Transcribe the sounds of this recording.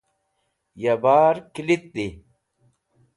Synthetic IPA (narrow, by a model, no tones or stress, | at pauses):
jɐbaːɾkilit̪̚d̪i